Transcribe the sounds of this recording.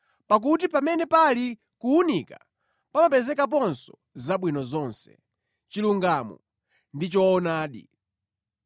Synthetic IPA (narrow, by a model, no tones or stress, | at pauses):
pak̬ut̬ipamɛnɛpali | kuunika | pamapɛzɛkap̬ɔnsɔ | zaɓwinɔzɔnsɛ̥̰ | t͡ʃiluŋɡamɔ̰ | ndit͡ʃɔːnaːɗḭ